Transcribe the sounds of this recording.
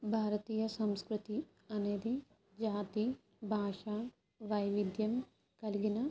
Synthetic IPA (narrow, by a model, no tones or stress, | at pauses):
bʱaːɾɐt̪iːjɐsɐmskɾut̪i | ɐneːd̪i | d͡ʒaːt̪i | bʱaːʂaː | ʋɐjʋid̪jɐm | kɐliɡinɐ